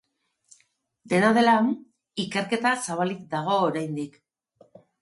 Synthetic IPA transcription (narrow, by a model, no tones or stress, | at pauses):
d̪e̞naðe̞lam | ike̞ɾke̞t̪asaβ̞alik̚d̪aɣ̞o̞ːɾajnd̪ik